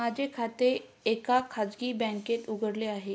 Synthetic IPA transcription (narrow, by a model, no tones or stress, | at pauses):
mad͡ʑʱekʰat̪e | ekakʰad͡zɡiːbɛ̃ŋket̪uɡʱəɽleaɦe